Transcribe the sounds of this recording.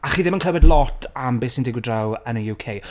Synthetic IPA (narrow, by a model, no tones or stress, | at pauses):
aχiːðɪmənkʰəwɛdlˠɔtʰambeːsɪndɪɡwɪdrawənəjuːkʰej